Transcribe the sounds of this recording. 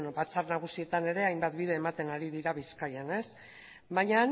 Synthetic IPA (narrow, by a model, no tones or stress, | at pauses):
nobat͡sarnaɣ̞usie̞t̪ane̞ɾe̞ajmbat̪̚bið̞e̞ːmat̪e̞naɾiðiɾaβiskajane̞s | baɲa